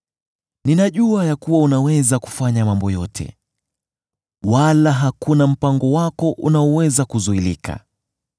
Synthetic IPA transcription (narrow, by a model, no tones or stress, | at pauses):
ninaʄuajakuwaunawɛzaku̥faɲamambɔjɔ̰tʰɛ̰ | walaɦakunam̩paŋɡɔwakɔʔṵnaɔwɛzakuzuilḭka̰